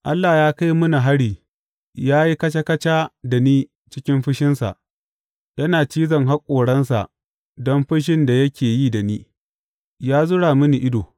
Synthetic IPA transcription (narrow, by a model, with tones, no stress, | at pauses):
ʔa˦lːaː˨jaː˦ka˦jmʊ˦na˨ɦa˦ɽiː˨ | jaː˦ji˦kɐ˦t͡ʃa˦kɐ˦t͡ʃaː˦da˨niː˦ | t͡ʃɪ˦kʲɪ˦mɸɪ˦ʃɪ˦nsa̰˨ʔ | jɐ˦naː˨t͡ʃiː˦zɐ˨ŋɦa˦kʷʼoː˨ɽɐ˦nsa̰˨ʔ | dɔ˦mɸɪ˦ʃ̬ɪ˦nda˨jɐ˦kʲeː˨jiː˦da˨niː˦ | jaː˦zʊ˦ɽaː˨mʊ˦ni˨ʔɪ˦doː˨